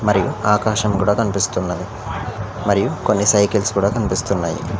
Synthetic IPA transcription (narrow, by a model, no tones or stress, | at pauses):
mɐɾijuaːkaːʃɐmkuːɽɐkɐnipist̪unːɐd̪i | mɐɾijukonːisɐjkilskuːɽɐkɐnipist̪unːaːjḭ